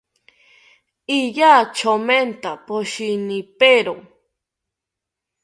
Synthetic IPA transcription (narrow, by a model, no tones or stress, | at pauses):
ijat͡ʃʰoment̪apoʃinipeɾo